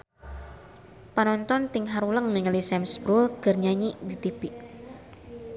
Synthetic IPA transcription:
panɔnt̪ɔnt̪ɪŋɦaɾuləŋniŋəlisɛmsbɾʊlɡ̥ərɲaɲidit̪ibiʔ

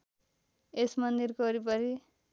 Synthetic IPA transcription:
esmʌnd̪irkʌɾipʌɾi

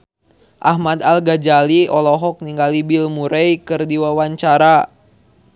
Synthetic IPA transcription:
ʔaɦmad̪alɡad͡ʒaliɔlɔɦɔk̚niŋɡalibilmuɾɛjkɨrdiwawaɲt͡ʃaɾa

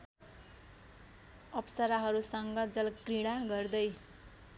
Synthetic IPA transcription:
ʌpsʌɾaɦʌɾusʌŋɡʌd͡zʌlkriɽ̃aɡʌrd̪ʌj

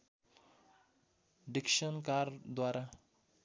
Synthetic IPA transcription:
ɖɪkʃənkaːɾd̪waːɾa

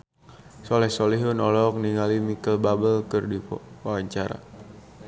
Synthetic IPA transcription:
sɔlɛhsɔliɦunɔlɔk̚niŋalimikəlbabəlkərdiwawaɲt͡ʃaɾa̰

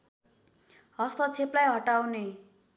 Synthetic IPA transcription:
ɦʌst̪ʌt͡sʰeplajɦʌʈawne

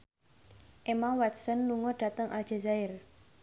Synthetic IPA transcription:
ʔemawat̪sənluŋɔɖ̥ä̤t̪əŋʔald͡ʒ̥a̤zaɪr

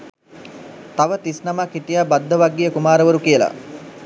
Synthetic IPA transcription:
t̪aʋət̪isnamakiʈijabad̪ʱːəʋaɡːijəkumaːɾəʋəɾukijəla̰

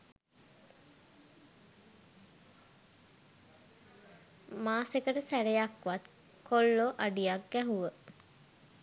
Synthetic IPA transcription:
maːsekəʈəsæɾejakʋat̪ | kolːoʔaɖijak̚ɡæɦuʋə

